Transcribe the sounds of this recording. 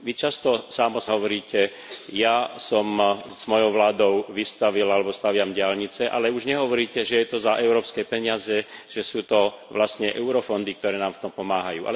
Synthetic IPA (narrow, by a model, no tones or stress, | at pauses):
ʋit͡ʃast̪ɔsamɔsɦɔʋɔɾiːcɛ | jasɔmz̥mɔjɔʊʋlaːd̪ɔʊʋist̪aʋilalɛbɔst̪aʋɪamɟɪalɲit͡sɛʔa̰lɛuʒɲɛɦɔʋɔɾiːcɛʒɛjɛt̪ɔzaʔɛʊɾɔːpskɛpɛɲɪazɛʒ̥ɛsuːt̪ɔ | ʋlast̪ɲɛʔɛʊɾɔfɔnd̪ik̚t̪ɔɾɛːnaːmft̪ɔmpɔmaːɦajṵːʔa̰lɛ